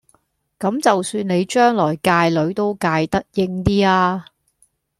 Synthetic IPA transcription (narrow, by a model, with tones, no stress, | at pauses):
kɐ˨˥mt͡sɐ˨wsyː˧nne˨˧jt͡ʃœː˥ŋlɔː˨˩jkaː˧jlɵ˨˥ɥt̪o˥wkaː˧jt̪ɐ˥t̚jɪ˥ŋt̪iː˥aː˧